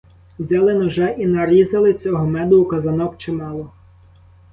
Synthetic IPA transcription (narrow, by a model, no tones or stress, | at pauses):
wzʲalˠɪnɔʒɛʔinɐɾizɐlˠɪt͡sʲɔɦɔmɛd̪ʊukɐzɐnɔkt͡ʃɪmɑlˠɔ